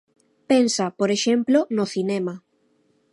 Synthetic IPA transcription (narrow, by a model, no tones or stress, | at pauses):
pensapoɾeʃemplonoθinɛma